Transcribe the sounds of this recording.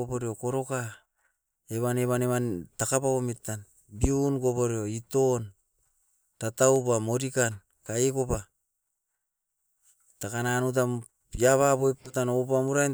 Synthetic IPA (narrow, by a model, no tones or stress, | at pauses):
opoɾeokoɾo̞ka | eβaneβaneβantakapaometːan | biunɡopoɾeo̞ito̞n | tataupamoɾikan | kaekopa | takananut̬a | jaβaβoepatanopamuɾan